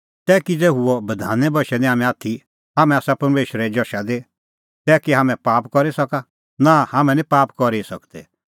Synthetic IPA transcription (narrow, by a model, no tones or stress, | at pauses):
t̪ɛːkid͡zeːɦuɔbɐd̪ʱa̰ːnɛbʱɐʃɛnĩɦaːmɛ̃aːt̪ʰi | ɦaːmɛ̃aːsapɐɾmeːʃɾɛd͡ʒɔʃad̪e | t̪ɛːkiɦaːmɛ̃paːpkɔɾisɐka | nãhaːmɛ̃nĩpaːpkɔɾisɐkd̪ɛ